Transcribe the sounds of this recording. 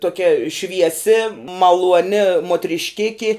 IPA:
tuɔˈkʲɛ ʃʲʋʲiɛˈsʲɪ mɐlˠuɔˈnʲɪ muɔtʲrʲɪʃʲˈkʲɪkʲɪ

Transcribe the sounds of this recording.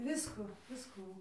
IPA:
ˈʋʲɪskʊ ˈʋʲɪskuː

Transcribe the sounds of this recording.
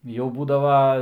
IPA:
jɛʊ ˈbuːdɐʋɐ

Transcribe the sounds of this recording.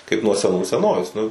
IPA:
kɐɪp nuɔ sʲɛˈnuː sʲɛˈnoːʋʲeːs nʊ

